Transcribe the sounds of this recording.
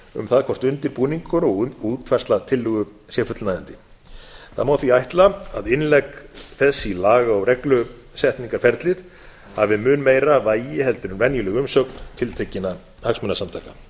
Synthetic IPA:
ʏ̰mθaðkʰɔst̪ʏnt̪ɪɾpuːniŋkʏɾɔɣuːt̪fɛrst̪lat̪ʰɪlːʏɣʏ | sjɛfʏt̪lnaːjðant̪ɪ | θaðmaːwθviajht̪laaðɪnlɛkθɛsːilaːɣaɔwrɛklʏ | sɛht̪niŋkaɾ̥fɛɾt̪lɪð | havɪmʏːnmejɾavaːjɪhɛlt̪ʏɾʏnvɛnjʏlɛɣʏmsœkn̥t̪ʰɪlt̪ʰecɪna | haksmʏnasamt̪ʰaːjka

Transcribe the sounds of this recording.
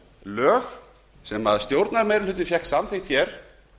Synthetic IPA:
lœːx | sɛmaðst̪jowɾt̪naɾmɛjɾʏlʏːt̪ɪfjɛxt̪samθɪht̪çɛɾ̥

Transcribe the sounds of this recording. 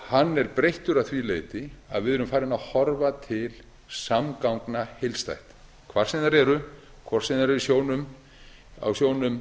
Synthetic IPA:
hanːɛɾpɾejht̪ʏɾaðθvilejt̪ɪa̰ðvɪðɛɾʏmfaːjɾɪnaðhɔɾvat̪ʰɪl | samkawŋknahejlst̪a̰jht̪ | kʰvaɾ̥sɛðnaɾɛɾʏ | kʰvɔr̥sɛðnaɾɾɪsjoːwnʏm | a̰wsjoːwnʏm

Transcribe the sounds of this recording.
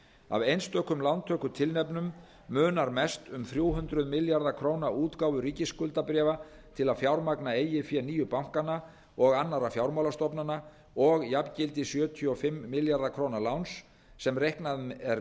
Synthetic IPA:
a̰vejnst̪œːhkʏmlant̪ʰœːkʏt̪ʰɪlnɛpnʏmː | ʏːnaɾmɛst̪ʏmθɾjuːwɦʏnt̪ɾʏðmɪljaɾðakʰɾoːwnauːt̪kaːwvʏɾiːcɪskʏlt̪apɾɛːva | t̪ʰɪlaðfjawɾmaknaeːjɪfjɛniːjʏpawŋ̥kana | ɔɣanːaɾafjawɾmawlast̪ɔpnana | ɔɣjapcɪlt̪ɪsjœːt̪ʰiɔfɪmːɪljaɾðakʰɾoːwnalawnsː | ɛmrehknaðɛɾ

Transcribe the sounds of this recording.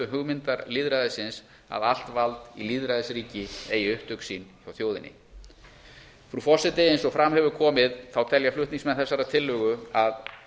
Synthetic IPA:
ʏɦʏɣmɪnt̪aɾliːðɾaðɪsɪns | a̰ðal̥t̪valt̪iliːðɾaðɪsɾiːcɪeːjʏht̪ʏksinθawθjoːwðɪ̰nɪ̰ | fɾufɔsɪt̪ɪejnsɔɣfɾamhɛvʏɾkʰɔːmɪðθawt̪ʰɛljaflʏht̪niŋsmɛnθɛsːaɾat̪ʰɪlːʏːɣʏað

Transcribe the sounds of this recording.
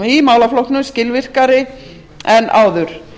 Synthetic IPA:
imaːwlaflohknʏmscɪlvɪr̥kaɾɪ | ɛnʔa̰ːwðʏɾ̥

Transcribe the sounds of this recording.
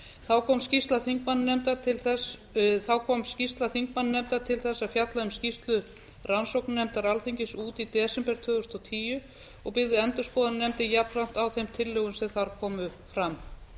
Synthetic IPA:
θawkʰɔːmscist̪laθiŋkmanːnɛmt̪at̪ʰɪlθɛsθawkʰɔmscist̪laθiŋk̚manːnɛmt̪aɾt̪ʰɪlθɛsːafjat̪laʏmscist̪lʏ | ransowknnɛmt̪aɾalθiɲcɪsuːt̪it̪ɛːsɛmpɛɾ̥t̪ʰvœːɣʏst̪ɔwt̪ʰiːjʏ | ɔɣpɪɣðɪɛnt̪ʏskɔːðannɛmt̪ɪjapnram̥t̪awθejmt̪ʰɪlːœːɣʏmsɛðθaɾkʰɔːmʏ | fɾam

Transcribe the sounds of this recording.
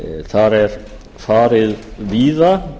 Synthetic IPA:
θaɾɛɾ̥ | faːɾɪðviːða

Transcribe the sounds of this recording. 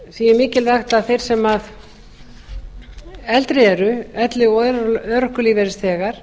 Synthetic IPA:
siːjɪmɪːcɪlðaxt̪aðθejɾ̥sɛmað | ɛlt̪ɾɪɛɾʏɛt̪lɪɔðœðɾɔhkʏliːvɛɾɪst̪ʰɛːɣaɾ̥

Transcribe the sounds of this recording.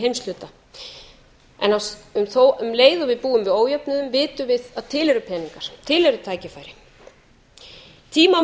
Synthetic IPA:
ɦejmst̪lʏːt̪a | ɛ̰nawʏmθoʔʏmleːjðɔvɪðpuːʏmvɪðoːwjɛpnʏðʏmvɪːt̪ʏvɪðaðt̪ʰɪːlɛɾʏpʰɛːniŋkaɾ̥t̪ʰɪːlɛɾʏt̪ʰaːjcɪfaːjɾɪ | t̪ʰiːma

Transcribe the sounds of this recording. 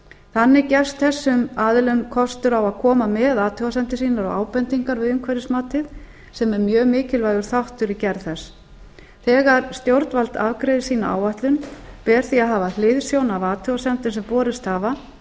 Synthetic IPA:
θanːɪcɛ̥st̪θɛsːʏmaːðɪlʏnkʰɔst̪ʏɾawaðkʰɔːmamɛðaːt̪ʰœwasɛnt̪ɪsiːnaɾɔ̰ɣa̰ːwpɛnt̪iŋkaɾvɪðʏmkʰvɛɾɪsmaːt̪ɪð | sɛmɛɾmjœːɣmɪːcɪlvaːjɣʏɾ̥θawht̪ʏɾicɛɾðθɛs | θɛːɣaɾ̥st̪jowɾt̪nvalt̪avkɾejðɪsiːna̰ʔa̰ːwaht̪lʏnpɛːɾ̥θiaðɦaːvalɪðsjownavaːt̪ʰœwasɛnt̪ɪnsɛmpɔːɾɪst̪haːva

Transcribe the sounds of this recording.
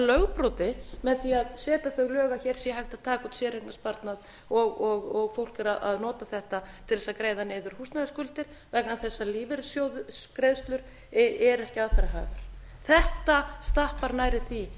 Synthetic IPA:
lœɣpɾɔwt̪ɪmɛðθiaðsɛːt̪aθœɣlœːɣaçɛːɾ̥siahajht̪aðt̪ʰaːkʏt̪sjɛːɾeknaspaɾt̪nað | ɔɣɔɣɔɣfowl̥cɪɾaðʔa̰ðnɔːt̪aθɛht̪at̪ʰɪlðɛsakɾeːjðaneːðʏɾ̥hust̪naðskʏlt̪ɪɾ̥ | vɛknanθɛsːaliːvɪɾsjowðʏkɾeðst̪lʏɾ̥ | ɛɾɛhcɪaðfɛɾaɦa̰ːvɪɾ̥ | θɛht̪ast̪ahpaɾnaːjɾɪθi

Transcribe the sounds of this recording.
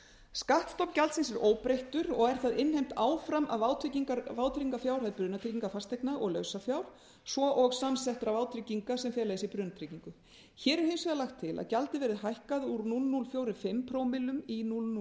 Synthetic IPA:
skaht̪st̪ɔwpcalt̪sɪnsɛɾʔoːwpɾejht̪ʏɾɔɣɛɾ̥θaðɪnhejm̥t̪aːwfɾamʔa̰ðvaːwt̪ʰɾɪciŋkaɾvaːwt̪ʰɾiŋkafjawɾ̥haðɪpɾʏːnat̪ɾiciŋkafast̪ejknaʔɔɣlœːɥsafjawɾ̥ | svɔʔɔɣsamsɛht̪ɾavaːwt̪ʰɾiciŋkasɛmfjɛːlaðɪsipɾʏːnat̪ʰɾiciŋkʏ | çɛːɾɛɾ̥hensvɛðalaxt̪ʰːɪlʔa̰ðcalt̪ɪvɛːɾɪðɦajhkaðuɾnulnulfjowɾɪfɪmpʰɾoːwmɪlʏminulnu

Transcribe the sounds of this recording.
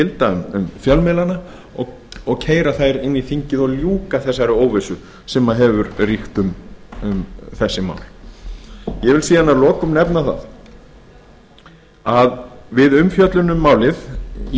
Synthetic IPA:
ɪlt̪aʏmʏmfjalmɛːlana | ɔɣ | ɔɣcʰeːjɾaθajɾɪnːiθiɲcɪðɔɣljuːkaθɛsːaɾɪoːwvesʏ | sɛmaðɦɛvʏɾrixt̪ʏmʏmθɛsːɪma̰ːwl̥ | jɛvɪlsiːðanːalɔːkʏmnɛpnaθa̰ð | aðvɪðʏmfjœt̪lʏnʏmːaːwlɪð

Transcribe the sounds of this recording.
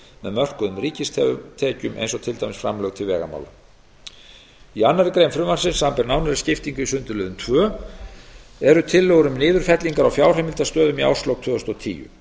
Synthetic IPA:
mɛðmœr̥kʏðʏmriːcɪst̪ʰɛt̪ʰɛːcʏmʔḛjnsɔt̪ʰɪlt̪ajmɪsfɾa̰mlœɣt̪ʰɪlvɛːɣa̰ma̰wla̰ | ianːaɾɪkɾejmfɾʏmvar̥sɪnsampɛɾnawnaɾɪscɪft̪iŋkʏisʏnt̪ʏlœːðʏmt̪ʰvœː | ɛɾʏt̪ʰɪlːœɣɾʏmnɪːðʏɾ̥fɛt̪liŋkaɾawfjaːwr̥ɛmɪlt̪ast̪œːðʏmia̰wst̪lɔwt̪ʰvʏːʏst̪ɔt̪ʰḭːjʏ̰

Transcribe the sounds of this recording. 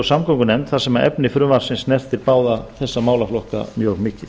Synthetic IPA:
samkɔŋkʏnɛmt̪θasɛmaɛ̰pnɪfɾʏːvaɾ̥sɪnsnɛr̥t̪ɪɾpaːwðaθɛsːamaːwlaflɔhka̰mjœɣmɪːcɪθ

